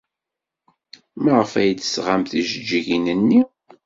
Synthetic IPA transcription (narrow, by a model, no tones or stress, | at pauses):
məʁəfæjd̪əsʁamθiʒəd͡ʒːiʝinənːi